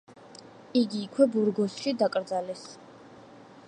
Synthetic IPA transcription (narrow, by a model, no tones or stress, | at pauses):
iɡiːkʰwɛbuɾɡɔsʃid̪akʼɾd̪zalɛs